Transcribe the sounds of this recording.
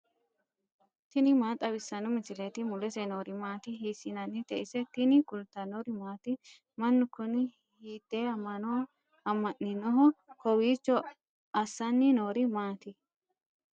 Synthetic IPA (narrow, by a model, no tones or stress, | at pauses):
t̪ɪnɪmaːt̪ʼɐbɪsːɐnʊmɪsɪlɛt̪ɪmʊlɛsɛnoːɾɪmaːt̪ɪɦiːsɪnɐnːɪt̪ɛʔɪsɛt̪ɪnɪkʊlt̪ːɐnoɾɪmaːt̪ɪ | mɐnːʊkːʊnɪ | hiːt̪ːeːɐmːɐnɔ | ɐmːɐʔːɪnɔɦɔkɔwiːt͡ʃːɔ | ɐsːɐnːɪnoːɾɪmaːt̪ɪ